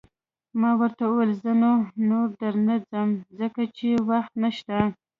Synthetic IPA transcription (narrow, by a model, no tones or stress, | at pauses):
mɑwəɾt̪auwelzənonoɾd̪əɾnad͡zəmzəkat͡ʃewaxt̪naʃt̪a